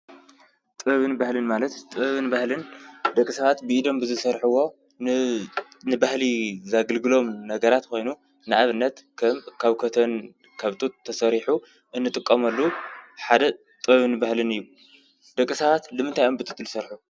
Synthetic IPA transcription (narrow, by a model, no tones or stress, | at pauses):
t̪ʼɨβɐβɨnbahlɨnmalɐt̪t̪ʼɨβɐβɨnbahlɨnd̪ɐkʼːisɐβat̪bɨʔid̪o̞mbɨzɨsɐɾħɨwo̞ | nɨbahlizaɡɨlɡɨlo̞mnɐɡɐɾat̪kʰo̞jnu | naʔaβɨnːɐt̪kʰɐmkʰaβkʰɐt̪ʰɐn | kʰaβt̪ʼut̪ʼt̪ʰːɐsɐɾiħu | ʔɨnːɨt̪ʼɨkʼːɐmɐlːuħad̪ɐ | t̪ʼɨβɐβɨnɨbahlɨnɨjːu | d̪ɐkʼːisɐβat̪lɨmɨnt̪ʰajo̞mbɨt̪ʼɨt̪ʼːɨlɨsɐɾħu